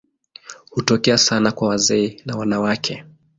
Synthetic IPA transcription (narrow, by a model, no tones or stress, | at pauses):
hutɔkɛasanakwawazɛɛnawanawakʰɛ